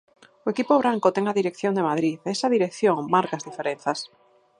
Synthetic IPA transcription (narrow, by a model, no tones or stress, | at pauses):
oekipoβɾaŋkot̪eŋaðiɾekθjõnd̪emaðɾiðesaðiɾekθjoŋmaɾkazðifeɾen̟θas